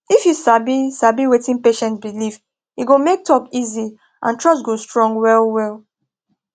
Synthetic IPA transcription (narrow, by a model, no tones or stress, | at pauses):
ifjusabisabiwetĩnpeʃɛ̃ntbilif | iɡomek̚tʰɔkizi | ʔã̰ntʰɹɔstɡostɹɔ̃ŋɡwɛlwɛl